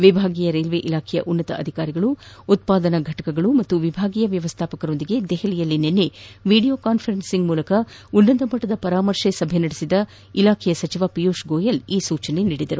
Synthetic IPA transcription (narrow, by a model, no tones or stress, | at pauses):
ʋibʱaːɡijɐɾelʋeʔilaːkʰɛjɐ̰ʔunːɐt̪ɐ̰ʔɐd̪ʱikaːɾiɡɐɭuː | t̪̚paːd̪ɐnɐɡʱɐʈɐkɐɡɐɭumɐt̪ːuʋibʱaːɡiːjɐʋjɐʋɐst̪ʰaːpɐkɐɾo̞nd̪iɡe̞d̪ɛɦɐlijɐlːinenːe̞ʋiːɽijo̞ːkaːnpʰɐɾensiŋɡmuːlɐkɐ | unːɐnd̪ɐmɐʈːɐd̪ɐpɐɾaːmɐɾʃesɐbʱenɐɽisid̪ɐ | ilaːkʰɛjɐsɐt͡ʃiʋaːpijuːʃɡoːjɐliːsuːt͡ʃɐne̞niːɽid̪ɐɾu